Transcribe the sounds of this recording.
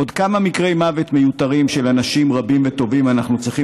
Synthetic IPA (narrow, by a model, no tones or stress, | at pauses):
od̪kamamikʁe̞jmavet̪me̞jut̪aʁimʃe̞lanaʃimʁabimvet̪o̞vimanaχnut͡sʁiχi